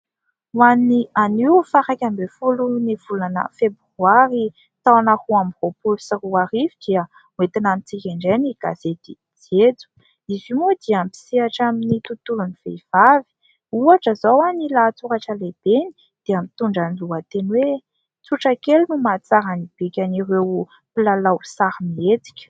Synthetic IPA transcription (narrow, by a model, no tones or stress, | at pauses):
uanianiwfaɾakʲambefuluniv̥ulanə̰februaɾi | t̪awanahuambropulusiruaɾivid̪̥iə | uet̪inamit͡sikʲaɳɖ͡ʐeniɡ̥az̥et̪i | d͡zed͡zu̥ | izimud̪iampi̥siaʈ͡ʂaminit̪ut̪uluniv̥ḛv̥avi̥ | uaʈ͡ʂəzawanilat͡suɾaʈ͡ʂəleb̥eni̥ | d̪̥eamit̪uɳɖ͡ʐaniluat̪enwe | t͡suʈ͡ʂəkelnumat͡saɾanib̥ikʲaniɾew | pilalawsaɾimiet͡si̥kʲə̥